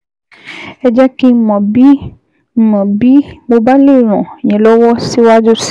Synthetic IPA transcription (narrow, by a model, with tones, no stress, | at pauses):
ɛ˦d͡ʒa˦kĩ˦mɔ̃˨bi˦ | mɔ̃˨bi˦bo˨ba˦le˦ɾ̃ɔ̰̃˨ɲɛ̃˨lɔ˦wɔ˦si˦wa˦do˦s